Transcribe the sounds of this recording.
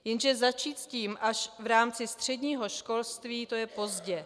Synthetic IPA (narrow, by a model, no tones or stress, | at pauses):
jɛnʒɛzat͡ʃiːt̪sciːmʔaʃvɾaːmt͡sɪst̪r̝̥ɛdɲiːɦo̞ʃko̞lst̪viːt̪o̞jɛpo̞zɟɛ